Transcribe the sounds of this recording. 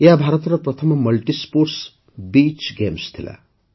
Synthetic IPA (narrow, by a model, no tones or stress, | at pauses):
jabʱaɾʌt̪ɾʌprʌt̪ʰəmmʌlʈispoɾs | bit͡ʃɡemst̪ʰila̰